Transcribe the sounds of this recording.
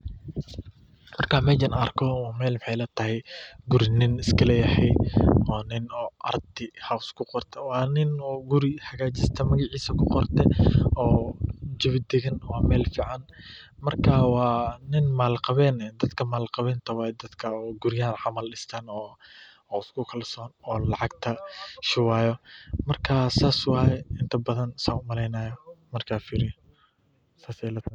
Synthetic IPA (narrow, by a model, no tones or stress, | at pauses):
mɐrkʰaːmɛːt͡ʃɪnɐrkʰɔwɑːmɛːlmħɛjlɐt̪ʰɐɦɛjɡʊɾɪnɪnɪskʰɐlɛjɐhɛjɔːnɪnɔːʔɐ̰rt̪ʰɪhawskʰʊqɔrt̪ʰɛwɑːnɪnɔːɡʊɾɪhɐɣaːt͡ʃɪst̪ʰɐmɐɣɑʕiːsɐkʰʊqɔrt̪ʰɛɔːd͡ʒɪβɪd̪ɛɣɐnwɑːmɛːlfiːʕɑn | mɐrkʰaːwɑːnɪnmaːlqɑβɛːnɛd̪ɐd̪kʰɐmaːlqɑβɛːnt̪ʰɐwɑːjɛd̪ɐd̪kʰɐɔːɡʊɾjaːnʕɑmɐlɪst̪ʰanɔː | ɪskʰʊkʰɐlsɔːnɔːlɑʕɑɡ̚t̪ʰɐʃɪwaːjɔmɐrkʰaːsaːswɑːjɛɪnt̪ʰɐbɐðɐnsaːʊmɐlɛjnaːjɐmɐrkʰaːfiːɾɪjɔ | saːsɛjlɐt̪ʰ